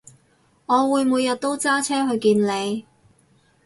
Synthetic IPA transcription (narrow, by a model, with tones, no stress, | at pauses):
ŋɔː˨˧wuː˨˧jmuː˨˧jːɐ˨t̚t̪o˥wt͡saː˥t͡sʰɛː˥hɵ˧ɥkiː˧nle˨˧j